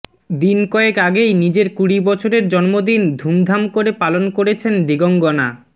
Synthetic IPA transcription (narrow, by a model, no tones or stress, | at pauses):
d̪inkɔekaɡejnid͡ʑeɾkuɽibɔt͡ɕʰoɾeɾd͡ʑɔnmod̪ind̪ʱumd̪ʱamkoɾepalonkoɾet͡ɕʰend̪iɡoŋɡona